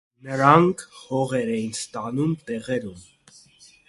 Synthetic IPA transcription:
nəɾɑŋkʰhɔʁɛɾɛjinst̪ɑnumt̪ɛʁɛɾum

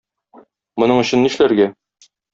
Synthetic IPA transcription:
mŏnɤɴɵ̆ɕɘ̆nːiʃlæɾɡæ

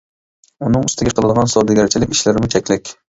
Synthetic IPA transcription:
ʊnɪŋʊst̪ʰɪɡʲaqʰɨlˠɨd̪ʁɒnsɒd̪aɡʲaɾt͡ʃʰɪlɪkʲɪʃlaɾɪmɪt͡ʃʰakʲlakʲ

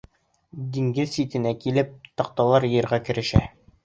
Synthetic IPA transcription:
d̪iŋɡɘzsit̪ɘ̆nækilɘp̚t̪ɒq̚t̪ɑlˠɑɾjɤ̆ɾʁɑkɘ̆ɾɘ̆ʃæ̰

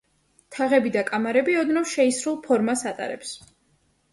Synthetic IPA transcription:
t̪ʰaʁɛbid̪akʼamaɾɛbiɔd̪nɔvʃɛisɾulˠpʰɔɾmasat̪ʼa̰ɾɛ̰ps

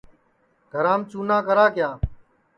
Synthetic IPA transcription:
ɡʱəɾãːmt͡ʃuːnaːkəɾaːkjaː

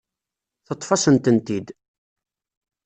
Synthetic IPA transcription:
θət̪ˤːfɑsənt̪ənt̪id̪

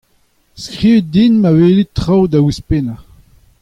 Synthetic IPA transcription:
skʁiːvit̚dinmaveːlit̪ʁawd̪awispena

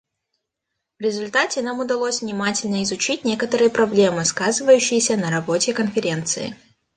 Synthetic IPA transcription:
vɾʲɪzʊlʲt̪atʲɪnamʊd̪ɐlˠosʲvnʲɪmatʲɪlʲnəɪzʊt͡ɕitʲnʲe̞kət̪əɾɨjəpɾɐblʲe̞mɨskazɨvəjʉɕːɪjəsʲənəɾɐbo̞tʲɪkənfʲɪɾʲe̞nt̪sɨ̰ɪ̰

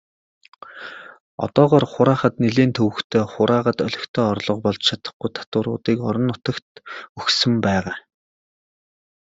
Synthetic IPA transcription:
ɔ̰t̪ɔːʁɔːrχʊɾaːχə̆t̪niɮeːnt̪ʰɵwɘ̆kt̪ʰeːχʊɾaːʁə̆t̪œɮʲɵ̆kt̪ʰeːɔrɮɞ̆qpɔɮt͡ɕt͡ɕʰat̪ə̥̆χɡujt̪ʰḁt̪ʊːɾʊ̰ːt̪iːkɔ̰ɾɞ̆nːʊt̪ə̆kt̪ɵxsɵ̆mpæːʁaː

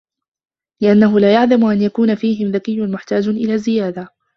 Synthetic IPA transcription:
lɪʔanːaɦʊlaːjaʕlamʊʔanjakuːnafiːɦɪmðakɪjːʊnmʊħt̪aːd͡ʒʔɪlaːzɪjaːd̪a

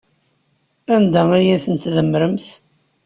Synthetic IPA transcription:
ænd̪æaɾjæθənt̪ðəmːɾəmθ

